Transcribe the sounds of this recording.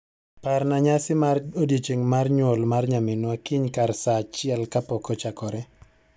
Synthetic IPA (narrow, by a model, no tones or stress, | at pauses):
pɛɾnaɲasɪmarodjet͡ʃeŋmarɲwolmarɲamɪnwakiɲkarsat͡ʃɪɛlkapɔkɔt͡ʃakɔɾɛ